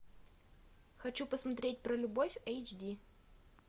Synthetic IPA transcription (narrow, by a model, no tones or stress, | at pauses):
xɐt͡ɕupəsmɐt̪ɾʲet̚ʲpɾəlʲʊbofʲejt͡ɕdʲi